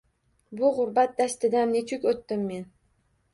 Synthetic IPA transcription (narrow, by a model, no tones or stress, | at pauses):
bʊʁʊɾbat̪̚d̪ast̪ɪd̪annet͡ʃʰʊkʲot̪ːɪmːe̞n